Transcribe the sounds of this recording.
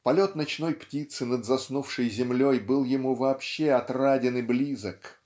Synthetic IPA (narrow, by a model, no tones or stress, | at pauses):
pɐlʲo̞t̪nɐt͡ɕno̞jptʲit̪sɨnəd̪zɐsnufʂɨjzʲɪmlʲo̞jbɨlˠjɪmuvɐːpɕːeɐt̪radʲɪnɨblʲizək